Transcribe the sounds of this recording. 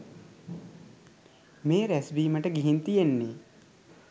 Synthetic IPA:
meːɾæsbiːməʈəɡiɦint̪ijenːeː

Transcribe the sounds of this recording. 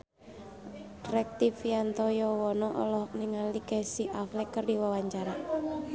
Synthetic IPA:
rɛk̚t̪ifiant̪ɔjɔwɔnɔʔɔ̰lɔɦɔk̚niŋalikɛsiʔaflɛkːərdiwawaɲt͡ʃaɾa

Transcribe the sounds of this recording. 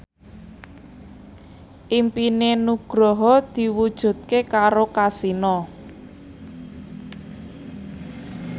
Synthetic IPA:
ʔimpinenuɡ̥ɾɔɦɔd̪̥i̤wud̥ʒ̥ṳt̪̚kekaɾokasinɔ

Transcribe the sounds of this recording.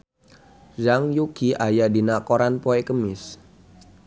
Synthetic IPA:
zaŋjukiʔajadinakoɾanpoɛkəmɪs

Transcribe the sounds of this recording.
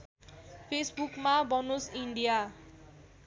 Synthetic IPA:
pʰesbukmabʌnosiɳɖija

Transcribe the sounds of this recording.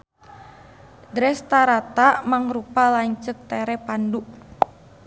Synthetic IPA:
dɾɛst̪aɾat̪aʔmaŋɾupalaɲt͡ʃək̚t̪ɛɾɛpanduʔ

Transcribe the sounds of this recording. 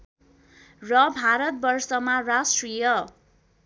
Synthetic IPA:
rʌbʱaɾʌt̪̚bʌrsʌmarasʈrijʌ

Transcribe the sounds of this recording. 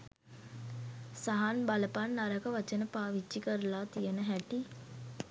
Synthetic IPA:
saɦanbaləpanːaɾəkəʋat͡ʃənəpaːʋid͡ʒːikəɾəlaːt̪ijənəɦæʈi

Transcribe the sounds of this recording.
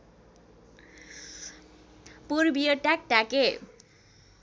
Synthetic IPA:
puɾbijoʈak̚ʈake

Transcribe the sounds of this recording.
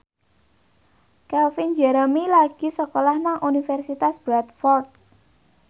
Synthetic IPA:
kɛlfind͡ʒɛɾəmilaɡ̥isəkolahnaŋʔunifɛrsit̪asb̥ɾat̪̚fɔrt̪̚

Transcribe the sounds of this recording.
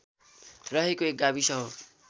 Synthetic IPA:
rʌɦekoek̚ɡabisʌɦo

